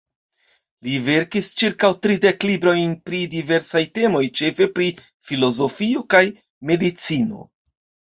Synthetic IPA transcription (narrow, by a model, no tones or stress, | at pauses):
live̞ɾkist͡ʃiɾkawtɾide̞klibɾo̞jnpɾidive̞ɾsajte̞mo̞jt͡ʃe̞fe̞pɾi | filo̞zo̞fio̞kaj | me̞dit͡sino̞̰